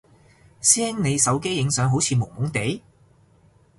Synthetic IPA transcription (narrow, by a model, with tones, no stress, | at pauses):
sɛː˥ŋne˨˧jsɐ˨˥wke˥jːɪ˨˧ŋsœː˨˥ŋɦo˨˥wt͡sʰiː˨˧mo˨˩wmʊ˨˥ŋt̪e˨˥j